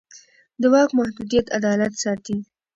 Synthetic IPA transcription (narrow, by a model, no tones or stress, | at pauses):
d̪əwɑkmahd̪ud̪ijat̪ad̪ɑlat̪sɑt̪i